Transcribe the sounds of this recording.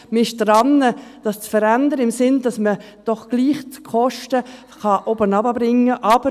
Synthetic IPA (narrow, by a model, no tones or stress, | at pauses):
mɪʃdrɑnːəd̥ɑst͡sfəɾændəɾəɪmsɪndɑsmə | d̥ɔχɡ̥liːχt͡skʰɔʃtə | χɑʔobənɑbəbɾɪŋːəʔɑb̥ə